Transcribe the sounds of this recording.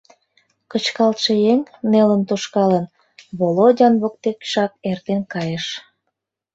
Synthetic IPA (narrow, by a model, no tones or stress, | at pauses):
kət͡ɕkɑlt̪ʃejeŋnelənt̪oʃkɑlən | βolodʲɑnβok̚t̪ekʃɑk̚ert̪enkɑjəʃ